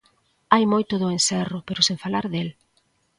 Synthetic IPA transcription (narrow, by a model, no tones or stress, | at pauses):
ajmojt̪ʊðʊensɛrʊpeɾʊsẽɱfalaɾðel